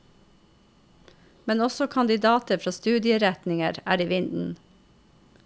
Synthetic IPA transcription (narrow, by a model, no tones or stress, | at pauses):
mɛnɔsɔkʰɑnd̪ɪd̪ɑːt̪əfɾɑːst̪ʉːd̪ɪəɾæt̪nɪŋəɾæ̰ːɾiːʋɪnd̪n̩